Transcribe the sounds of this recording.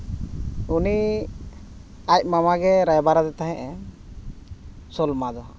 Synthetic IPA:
uni | ac̚mamaɡɛɾajbaɾad̪ɛt̪aɦɛ̃ʔɛ | sɔlmad̪ɔ

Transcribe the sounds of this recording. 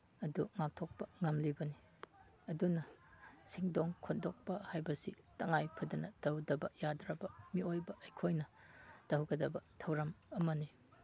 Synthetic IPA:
ɐduŋak̚tʰok̚pɐŋɐmlibɐni | ɐdunɐsiŋdoŋkʰondok̚pɐhajbɐsḭ | tɐŋajpʰɐdɐnɐd̥ɐwdɐbɐjadɾɐbɐmiojbɐʔːjkʰojnɐ | d̥ɐwɡɐdɐbɐtʰɐwɾɐmɐmɐni

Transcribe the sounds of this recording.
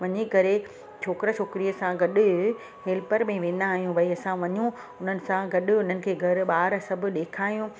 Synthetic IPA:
ʋɐɲekɐɾe | t͡ɕʰoːkɪɾət͡ɕʰoːkɪɾijəsãɡɐɗʊ | ɦeːlpəɾmẽʋẽːnaːɦijũʋɐiɐsãʋɐɲũ | ʊn̤ənɪ̆sãɡɐɗʊ̆ʊn̤ənɪ̆kʰeːɡʱɐɾɓaːɾsɐbʱʊ̆ɗeːkʰaːijũ

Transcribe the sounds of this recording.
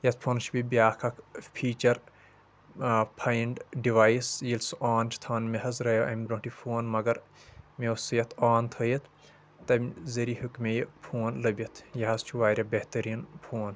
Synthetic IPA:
jɐt̪pʰoːnt͡ʃʰbibʲjaːkʰɐkpʰiːt͡ʃɐɾ | pʰajiɳɖɖiʋaːisjilsaːnt͡ʃʰi̥t̪ʰaːnmʲeɦɐzɾɐjɐʔɐmʲblõːɳʈipʰoːnmɐɡɐɾmesjɐt̪ʰaːnt̪ʰɐjit̪ʰ | t̪ːɐmʲzɐɾihukmejipʰoːnlɐbʲit̪ʰjɐɦɐst͡ʃʰuʋaːɾʲjɐbeht̪ɐɾiːnpʰoːn

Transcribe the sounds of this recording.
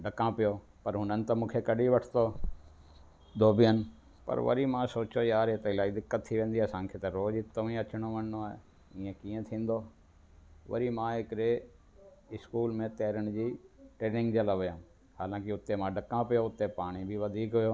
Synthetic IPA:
ɖəkãpijo | pɐɾɦʊnənɪ̆t̪ɐmũːkʰekɐɗiʋɐʈʰt̪o | d̪oːbɪjənɪ̆ | pɐ̰ɾʋɐ̰ɾimãsoːt͡ɕojaːɾeːt̪ɐɪlaːid̪ɪkːət̪ʰːiʋẽːnd̪iaːsãːŋkʰet̪ɐɾoːd͡ʒɪt̪ːoĩɐt͡ɕɪɽ̃oʋɐ̃nnoaːɦe | ĩːẽkiːẽt̪ʰĩːn̆d̪oː | ʋɐ̰ɾimãɦɪkɪɾe | ɪskuːlmẽt̪eːɾəɽ̃d͡ʑiːʈɾeːnɪ̃ŋɡd͡ʑɐləʋɪjãː | haːlãːkɪʊt̪ːemãːɖɐkãpijoʊt̪ːepaːɽ̃ibʱiʋɐd̪ʱiːkɦʊjoː

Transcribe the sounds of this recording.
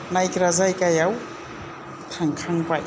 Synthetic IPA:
najkʲiɾazajkʲajaw | t̪ʰaŋkʰaŋkʷaj

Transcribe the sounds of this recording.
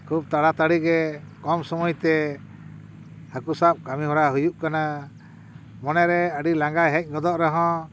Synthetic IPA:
kʰub̚t̪aɽat̪aɽiɡɛkɔmsɔmɔjt̪ɛ | hakusap̚kamiɦɔɾaɦujuʔkana | mɔnɛɾɛəɖilaŋɡajɦɛ̃c̚ˀɡɔd̪ɔʔɾɔɦɔ̃

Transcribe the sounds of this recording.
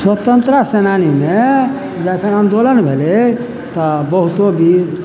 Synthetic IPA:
swət̪ənt̪ɾəsenanime | d͡ʒɛkʰənənd̪olənbʱele | t̪ɔbəɦut̪obʱi

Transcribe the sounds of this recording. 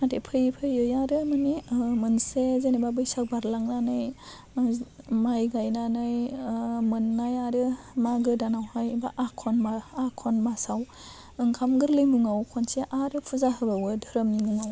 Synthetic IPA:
natʰepʰɯjpʰɯjɯjaɾɯmɯnimɯnsezenebabɯjsak̚baɾlaŋnanɯj | majɡajnanɯjmɯnːajaɾɯ | maɡɯdanawhajbaʔakʰɔnmaakʰɔnmasaw | ɯŋkʰamɡɯɾlɯjmuŋawkʰɔnseʔaɾɯpʰuzaɦɯbawɯdʱɯɾɯmnimuŋaw

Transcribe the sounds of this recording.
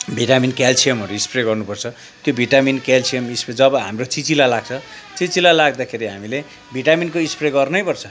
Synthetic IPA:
bʱiʈaminkalsijʌmɦʌɾuispreɡʌrnupʌrt͡sʰʌ | t̪jobʱiʈaminkalsijʌmispred͡zʌbʌɦa̰mrot͡sit͡silalaɡ̚t͡sʰʌ | t͡sit͡silalaɡ̚d̪akʰeɾiɦamile | bʱiʈaminkoispreɡʌrnʌjpʌrt͡sʰʌ

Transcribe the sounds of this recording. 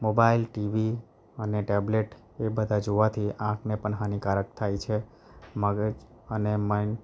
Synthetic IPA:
mobailʈiʋi | əneʈebleʈ | ebəd̪ʱad͡ʒoʋat̪ʰiʔãkʰnepəɳɦanikaɾək̚t̪ʰajt͡ʃʰe | məɡəd͡ʒ | ənemain

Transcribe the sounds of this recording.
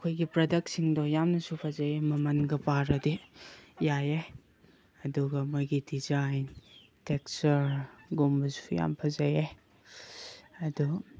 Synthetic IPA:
ɐkʰojɡipɾɐdɐk̚tsiŋdɔjamnɐsupʰɐzɐjemɐmɐnɡɐpaɾɐdijaje | ɐduɡɐmojɡidizajn | tek̚sɐɾɡombɐsu̥uja̰mpʰɐzɐje | ɐdu

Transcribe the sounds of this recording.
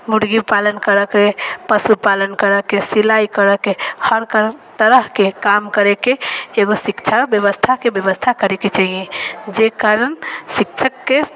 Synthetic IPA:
muɽɡipalənkəɾəkepəsupalənkəɾəkesilaikəɾəkehəɾkəɾt̪əɾəɦkekamkəɾekeːɡosikt͡ʃʰabjəβəst̪ʰakebjəʋəst̪ʰakəɾeket͡ʃaɦijẽd͡ʒekaɾənsikt͡ʃʰəkːe

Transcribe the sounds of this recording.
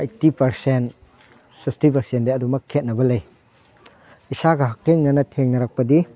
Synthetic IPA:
ajtipɐɾsen | sikstip̬ɐɾsendeɐdumɐkʰːet̚nɐbɐlɐj | isaɡɐɦɐk̚tʰeŋnɐnɐtʰeŋnɐɾak̚pɐdi

